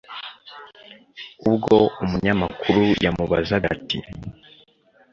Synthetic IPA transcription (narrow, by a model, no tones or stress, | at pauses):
ubɡo̞umuɲamakuɾujʔamuβazaɡa̰tḭ